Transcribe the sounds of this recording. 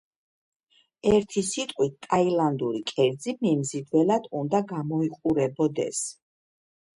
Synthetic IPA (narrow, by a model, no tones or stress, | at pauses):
ɛɾt̪ʰisit̪ʼqʼwit̪t̪ʼailand̪uɾikʼɛɾd̪zimimzid̪vɛlad̪̥und̪aɡamɔiqʼuɾɛbɔd̪ɛ̰s